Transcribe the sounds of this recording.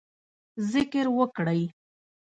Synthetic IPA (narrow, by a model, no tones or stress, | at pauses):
zɪkəɾwəkɽəj